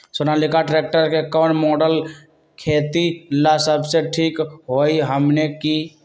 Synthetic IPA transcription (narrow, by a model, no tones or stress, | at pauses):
sonalɪkaʈɾeːk̚ʈəɾkekɔːnmɔːɖəl | kʰeːt̪ilasəbseʈʰiːkɦoːiɦəmneki